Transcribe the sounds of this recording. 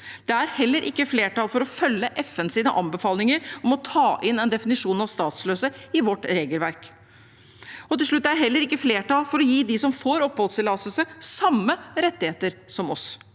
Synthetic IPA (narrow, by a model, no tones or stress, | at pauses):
d̪̥ɛæɾhɛlːəɾʔɪkːəfleːʈɑːlfɔɾɔfœlːəʔɛfɛnsiːnəʔɑnbəfɑːlnɪŋəɾɔmɔt̪ʰɑːʔɪnɛnd̪ɛfɪnɪʂuːnɑʋst̪ɑːt̪sløːsəɪʋɔʈːɾeːɡəlʋæɾk | ɔt̪ɪlʂɭʉt̪ːæɖɦɛlːəɾɪkːəfleːʈɑlfɔɾɔjiːd̪ɪsɔmfoːɾɔpːoːsɪlːɑsəlsəsɑmːəɾɛt̪ːɪheːt̪əɾsɔmɔs